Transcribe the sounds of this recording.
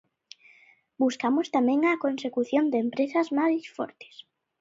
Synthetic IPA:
buskamost̪amɛ̃ŋɐkonsekuθjond̪empɾesɐzmaðisfɔ̰ɾt̪e̥s

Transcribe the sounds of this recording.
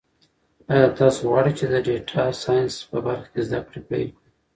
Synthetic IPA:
ɑjɑt̪ɑsoɣwɑɽit͡ʃed̪əɖeʈʰasɑjɪnspəbaɾxḁkezd̪akɽepḛjli

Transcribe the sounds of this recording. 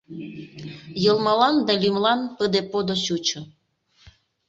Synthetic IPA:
jəlˠmɑlɑnd̪ɑlʲimlɑnpəd̪epod̪oɕut͡ɕŏ

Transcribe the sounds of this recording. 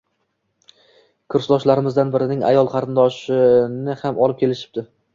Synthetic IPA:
kʰʊɾsd̪ɒʃlaɾɪmɪzd̪anbɪɾɪnɪŋa̰jɒlˠqʰɑɾɪnd̪ɒʃɪnɪhamʔɒlˠɪp̚kʲʰe̞lɪʃɪ̥b̚d̪ɪ

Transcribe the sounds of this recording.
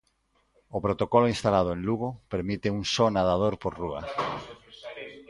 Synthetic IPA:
opɾot̪okoloinst̪alaðoenluɣ̞opeɾmit̪euŋsonaðað̞oɾpoɾrua̰

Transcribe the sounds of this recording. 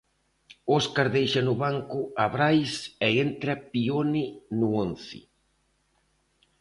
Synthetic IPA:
ɔskaɾðejʃanʊβaŋkʊaβɾajsɛent̪ɾapioninuonθḭ

